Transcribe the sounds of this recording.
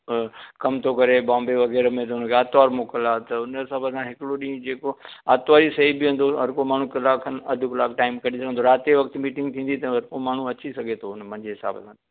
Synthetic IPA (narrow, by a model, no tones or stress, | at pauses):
kɐmt̪ʰokɐɾeɓãːmbeʋɐɣɛːɾmẽt̪ɐʊnəkʰeaːt̪aːɾmokəlaːt̪ɐʊnɦɪsaːbəsãɦɪkɪɽoɗĩːd͡ʑeːkoa̰ːt̪ʋaːɾisɐɦibɪɦʊ̃nd̪oɦɐɾkomaːɳ̤ũkɪlaːkʰənɐd̪ʱʊkɪlaːkʰʈaːɪmkɐɽisɐɡʱə̃nd̪oɾaːt̪eʋɐkt̪miːʈɪ̃ŋɡ̚t̪ʰĩːn̆d̪it̪ɐɦɐɾkomaːɳ̤ũɐt͡ɕisɐɡʱet̪ʰoʊnmɐ̃ɲd͡ʑeɦɪsa̰ːbəsãː